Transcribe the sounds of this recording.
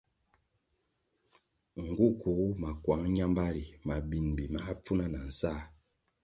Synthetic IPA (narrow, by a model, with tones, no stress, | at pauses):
ŋ̩˨ɡu˦ku˨ɣu˦ma˨kwa˨˦ŋ˦ɲa˦mba˦ɾi˨ma˨bi˨nbi˨ma˦a˦p͡fu˦na˦na˨n̩˨sa˦˨